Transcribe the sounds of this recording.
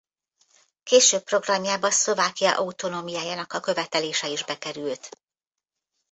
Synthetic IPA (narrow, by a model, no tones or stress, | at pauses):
keːʃøːpːro̞ɡrɒmjaːbɒnslo̞vaːkijɒ̰ʔɒut̪o̞noːmijaːjaːnɒkɒkø̞vɛt̪ɛleːʃɛiʒbɛkɛɾylt̪